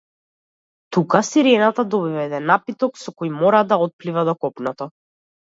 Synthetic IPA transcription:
t̪ukasiɾɛnat̪ad̪ɔbivɛɛd̪ɛnːapit̪ɔksɔkɔjmɔɾad̪aɔt̪̚plivad̪ɔkɔpnɔt̪ɔ

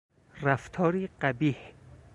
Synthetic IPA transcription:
ræft̪ʰɒːɾiːɢæbiːh

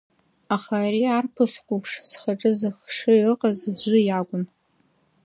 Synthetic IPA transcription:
aχaɾiarpʰɨʂkʷʼupʰʂsχaʈ͡ʂʼɨzɨxʂɨɨqʼazd͡ʒʷʊjaɡʷʼʊn

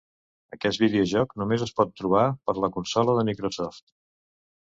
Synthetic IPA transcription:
əkɛsbiðiuʒɔknumezəspɔt̪ːɾuβ̞apəɾləkunsɔləðəmikɾosɔft̪

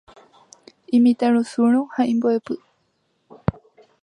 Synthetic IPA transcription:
ĩmĩt̪aɾusuɾ̃ohaĩmboepɨ

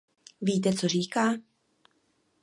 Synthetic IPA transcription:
viːt̪ɛt͡soriːkaː

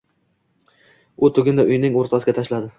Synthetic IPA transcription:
ʊt̪ʰʊɡʲɪnd̪aʔʊjnɪŋoɾt̪ʰasɪɡʲat̪ʰaʃlad̪ɪ

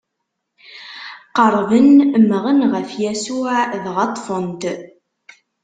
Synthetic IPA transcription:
qəɾˤvənmːəʁənʁəfjæsuðʁɑt̪ˤːfənt̪

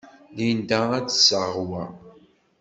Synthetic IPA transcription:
lind̪ææt͡sːsəʁwæ

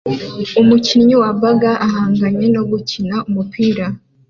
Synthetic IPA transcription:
umuciɲɲiwabaɡaʔahaːŋɡaɲe̞no̞ɡucinaumupʰiːɾa

